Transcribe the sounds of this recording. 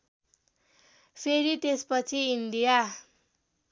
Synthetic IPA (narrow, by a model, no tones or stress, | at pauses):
pʰeɾit̪espʌt͡sʰiinɖija